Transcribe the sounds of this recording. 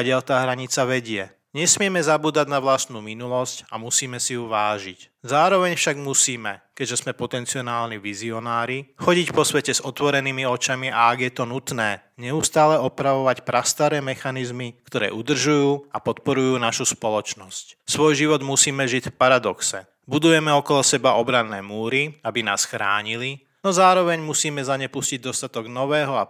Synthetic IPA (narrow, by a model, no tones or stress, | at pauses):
aɟɪaʎt̪aːɦɾaɲit͡saʋɛɟɪɛ | ɲɛsmɪɛmɛzabuːd̪aɟnaʋlast̪nuːminulɔscamusiːmɛsijuʋaːʒic | zaːɾɔʋɛɲfʃaɡmusiːmɛkɛɟʒɛzmɛpɔt̪ɛnt͡siɔnaːlniʋiziɔnaːɾixɔɟicpɔsʋɛcɛzɔt̪ʋɔɾɛniːmiɔt͡ʃamiaaɡjɛt̪ɔnut̪nɛː | ɲɛust̪aːlɛɔpɾaʋɔʋacpɾast̪aɾɛːmɛxanizmikt̪ɔɾɛ̰ːʔud̪r̩ʒujuːapɔt̪pɔɾujuːnaʃuspɔlɔt͡ʃnɔscsʋɔjʒiʋɔd̪musiːmɛʒicfpaɾad̪ɔksɛ | bud̪ujɛmɛɔkɔlɔsɛbaʔɔbɾanːɛːmuːɾiabina̰ːsxɾaːɲili | nɔzaːɾɔʋɛɲmusiːmɛzaɲɛpusciɟ̚d̪ɔst̪at̪ɔɡnɔʋɛːɦɔa